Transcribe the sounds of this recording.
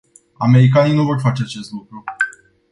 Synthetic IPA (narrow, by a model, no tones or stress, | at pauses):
ame̞ɾikaninuvo̞rfat͡ʃe̞at͡ʃe̞st̪lukɾu